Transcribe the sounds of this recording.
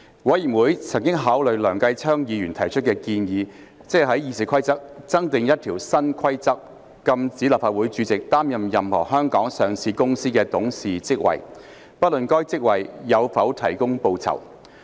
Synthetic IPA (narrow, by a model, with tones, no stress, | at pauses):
wɐ˨˥jiː˨˩nwuː˨˥jt͡sʰɐ˨˩ŋkɪ˥ŋɦaː˨˥wlɵ˨ɥlœː˨˩ŋkɐ˧jt͡sʰœː˥ŋjiː˨˧jyː˨˩nt̪ʰɐ˨˩jt͡ʃʰɵ˥t̚kɛː˧kiː˧njiː˨˧ | t͡sɛ˥ɦɐ˨˥jiː˨˧si˨kʰʷɐ˥jt͡sɐ˥k̚t͡sɐ˥ŋt̪ɪ˨˧ŋjɐ˥t̚t̪ʰiː˨˩wsɐ˥nkʰɐ˥jt͡sɐ˥k̚ː | ɐ˧mt͡siː˨˥laː˨˩pfaː˧t̚wuː˨˥jt͡ʃyː˨˥t͡sɪ˨k̚t̪aː˥mjɐ˨mjɐ˨mhɔ̰ː˨˩hœː˥ŋkɔː˨˥ŋsœː˨ŋsʰiː˧kʊ˥ŋsiː˥kɛː˧t̪ʊ˨˥ŋsiː˨t͡sɪ˥k̚wɐ̰˨˩j | pɐ˥lɵ˨nkɔː˥jt͡sɪ˥k̚wɐ˨˩jːɐ˨˧wfɐ˨˥wt̪ʰɐ˨˩jkʊ˥ŋpo˧wt͡sʰɐ̰˨˩w